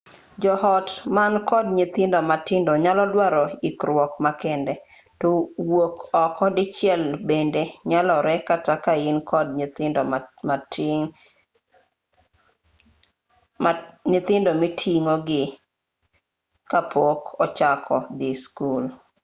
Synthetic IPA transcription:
d͡ʒɔhɔtmankɔd̚ɲit̪ɪndɔmatɪndoɲalɔlwaɾɔikɾwɔkmakɛndɛ | towokɔkɔdɪt͡ʃjɛlbendeɲalɔɾɛkatakaɪnkʰɔd̚ɲtɪndɔma | ɲit̪ɪndomitʰiŋoɡɪ | kapʰokɔt͡ʃakʰɔd̪iskul

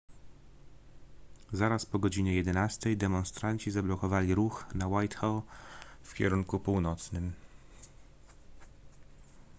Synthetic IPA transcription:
zaɾaspɔɡɔd͡ʑiɲɛjɛd̪ɛnast̪ɛjd̪ɛmɔnst̪ɾaɲt͡ɕizablɔkɔvalʲiɾuxnawajt̪xawfkʲɛ̰ɾuŋkupuwnɔt̪snɘm

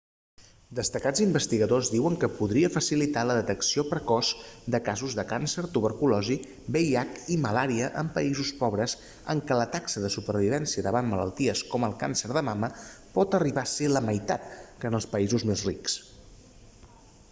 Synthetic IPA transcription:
d̪əst̪əkad͡zimbəst̪iɣəðozðiwəŋkəpuðɾiəfəsilit̪aləðət̪əksiopɾəkɔzd̪əkazuzðəkansəɾt̪uβəɾkulɔzi | bejakiməlaɾiəʔəmpəizuspɔβɾəs | ə̰ŋkələt̪aksəðəsupəɾβiβɛnsiəðəβammːələ̰lˠt̪iəskɔməlˠkansəɾðəmaməpɔt̪əriβaseləməjt̪a̰t̪̚kəːnəlˠspəizuzmezriks

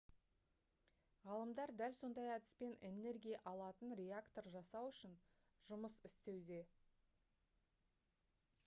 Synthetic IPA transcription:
ʁɑlˠəmd̪ɑɾd̪ælso̞nd̪ɑjɑd̪ɪ̥spe̞nʔe̞ne̞ɾɡʲijɑʔɑlˠɑt̪ənɾʲe̞akt̪o̞rʒɑsɑwʏʃɪn | ʒʊməsɪst̪e̞wd̪e̞

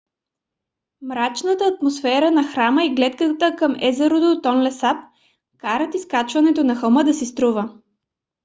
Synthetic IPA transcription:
mɾat͡ʃnət̪əːt̪mosfɛɾənɐxɾaməiɡlɛt̪kət̪əkəmɛ̰zɛɾod̪ot̪ɔnlɛsap̚ | kaɾət̪iskat͡ʃvɐnɛt̪onɐxɐlˠmɤd̪ɐsist̪ɾuvə

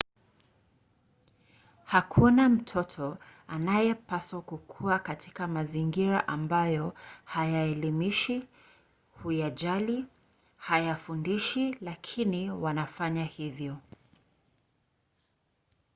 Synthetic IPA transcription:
hakʰunam̩tʰɔtʰɔanajɛpaswakukʰuakatʰi̥kamaziŋɡiɾa̰ʔambajɔhajaɛlimiʃi | hujaʄali | hajafundiʃilakʰiniwanafaɲahivjɔ

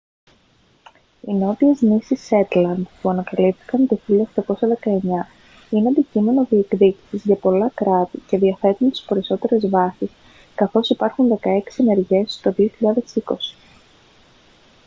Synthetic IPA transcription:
ino̞t̪ie̞znisise̞t̪lɐnd̪puɐnɐkɐlipθi̥kɐnt̪oçiʎɐoxt̪ɐko̞sɐðe̞kɐe̞ɲɐ | ineɐd̪icime̞no̞ðie̞kðici̥sizʝɐpo̞lɐkɾɐt̪ice̞ðiɐfe̞t̪unt̪i̥speɾiso̞t̪e̞ɾe̞zvɐsis | kɐθo̞sipɐɾxunðe̞kɐe̞ksiene̞ɾʝe̞st̪o̞ðioçiʎɐðe̞siko̞si̥

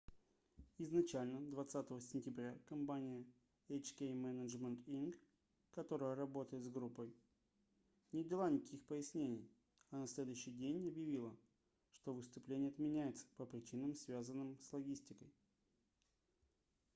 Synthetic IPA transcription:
ɪznɐt͡ɕælʲnəd̪vɐt̪sat̪əvəsʲɪnʲtʲɪbɾʲakɐmpanʲɪjə | et͡ɕkʲejmɛnəʐmʲənt̪ink | kːɐt̪o̞ɾəjəɾɐbo̞t̪əjɪt̪zɡɾupːəj | nʲɪdʲɪlˠanʲɪkkʲixpəjɪsʲnʲenʲɪj | ɐnɐsʲlʲe̞d̪ʊjʏɕːɪjdʲenʲɐbjɪvʲilˠə | ʂt̪o̞vɨst̪ʊplʲenʲɪjəɐt̪mʲɪnʲæjɪt̪sə̥pəpɾʲɪt͡ɕinəmsvʲazənːɨmslˠɐɡʲisʲtʲɪkəj

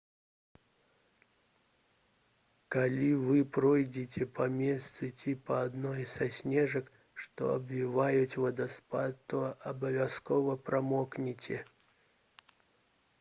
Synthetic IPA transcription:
kalʲivɨpɾɔjd͡zʲɪtʲɛpɐmʲest̪sɨtʲipɐːd̪nɔjsɐsʲnʲɛʐɐk | ʂt̪ɔ̰ɐ̰bvʲivajʊtʲvɐd̪ɐspat̪ːoɐɐbɐvʲaskɔvɐpɾʔɐmɔknʲɪt͡sʲe

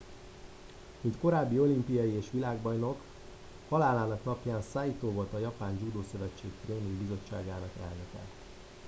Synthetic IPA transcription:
mint̪ko̞ɾaːbːio̞limpijɒjieːʃʋilaːɡbɒjno̞k | hɒlaːlaːnɒknɒpjaːnsaːjit̪oːvo̞lt̪ɒjɒpaːnd͡ʒuːd̪oːsø̞vɛt͡ʃːeːkt̪reːniŋɡbizo̞t͡ʃːa̰ːɡaːnɒkɛ̰lnøkɛ̰t̪

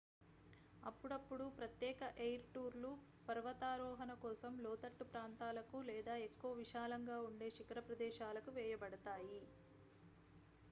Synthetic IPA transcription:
ɐpːuɽɐpːuɽupɾɐt̪jɛːkɐʔejɾʈuːɾlu | pɐɾʋɐt̪aːɾɔːɦɐnɐkɔːsɐmlɔːt̪ɐʈːupɾaːnt̪aːlɐkulɛːd̪aːekːuʋɐʋiʃaːlɐŋɡaːuɳɖe̞ːʃikɐɾɐpɾɐd̪ɛːʃaːlɐkuʋɛːjɐbɐɽɐt̪aːji

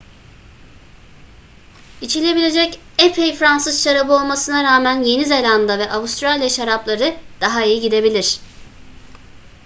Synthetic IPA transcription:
it͡ʃʰilʲe̞bilʲe̞d͡ʒɛc | epʰejfɾansɯzʃaɾabɯo̞lˠmasɯnaɾaːmænje̞nizelʲand̪avɛʔaβust̪ɾalʲjaʃaɾaplˠaɾɯd̪̥aɦaijiɟid̪e̞bilʲiɾ̥

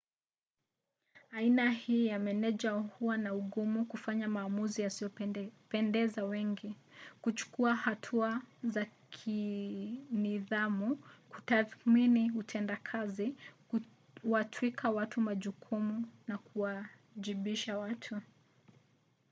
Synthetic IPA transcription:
ainahiːjamɛnɛʄahuwanauɠumukufaɲamaːmuzijasijɔpɛndɛzawɛŋɡi | kut͡ʃu̥kuahatʰuazakʰi | niðamukutaθminiutʰɛndakʰazi | watʰwikʰawatʰumaʄukʰumunakuwa | ʄiɓiʃawatʰu

